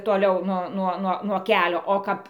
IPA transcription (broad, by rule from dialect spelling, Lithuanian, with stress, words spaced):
toːˈlʲɛʊ ˈnuɔ ˈnuɔ nuɔ ˈkʲæːlʲoː oː ˈkɐp